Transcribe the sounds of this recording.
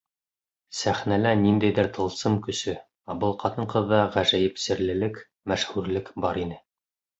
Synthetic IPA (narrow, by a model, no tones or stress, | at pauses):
sæχnælænind̪æjðɘɾt̪ʰɤ̆lˠsɤmkɵ̆sɵ | ɑbɤlˠqʰɑt̪ɤɴqɤ̆ðːɑʁæʒæjɘpsɘ̆ɾlɘ̆lɘk | mæʃhʉɾlɘkbɑɾinɘ